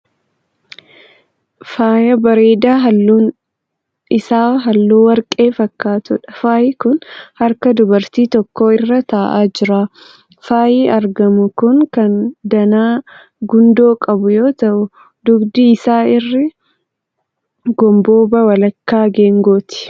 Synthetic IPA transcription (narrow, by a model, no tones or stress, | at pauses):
faːjɐbɐɾeːd̪aːɦɐun | ɪsaːɦɐlːuːwɐɾkʼeːfɐkːaːt̪ʊᶑɐfaːjɪkʊnhɐɾkɐd̪ʊbɐɾt̪iːt̪ɔkːoːɪrːɐt̪aːʔaːd͡ʒɪɾaː | faːjiːɐɾɡɐmʊkʊŋkɐnd̪ɐnaː | ɡʊnd̪o̞ːkʼɐbʊjo̞ːt̪ɐʔʊ | d̪ʊɡd̪ɪːsaːɪrːɪ | ɡɔmbo̞ːbɐwɐlɐkːaːɡe̞ːŋɡoːt̪ɪ̥